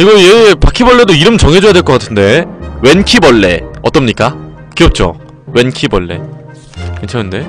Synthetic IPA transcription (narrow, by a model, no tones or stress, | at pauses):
iɡʌiepakʰibʌɭːe̞doiɾɯmt͡ɕʌŋɦe̞d͡ʑojadwe̞ɭk͈ʌk͈atʰɯnde̞we̞nkʰibʌɭːe̞̰ʌ̰t͈ʌmɲik͈a | kiʌp̚t͡ɕ͈o̰ | we̞nkʰibʌɭːe̞̰ | kent͡ɕʰanɯnde̞